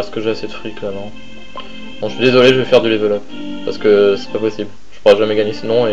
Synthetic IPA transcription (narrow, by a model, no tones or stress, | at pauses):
sə̥kəʒasɛt̪fχɥiklɛʁmɑ̃ | d̪ɔ̃ʃɥid̪ezɔleʒəvɛfɛʁd̪yd̪evɛlɔpː | aʁsə̥kəsɛ̥papɔsibl | ʒ̥əpuʁɛʒamɛɡaɲesənɔ̃e